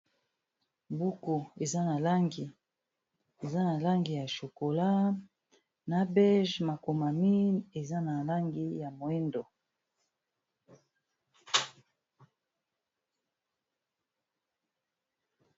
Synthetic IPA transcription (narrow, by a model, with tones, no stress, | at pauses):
bu˦ko˨e˨za˦na˨la˦ŋɡi˨ | e˨za˦na˨la˦ŋɡi˨ja˨ʃo˨ko˨la˦ | na˨bɛ˦ʒma˨ko˨ma˨mi˦ne˨za˦na˨la˦ŋɡi˦ja˨mo˨e˦ndo˨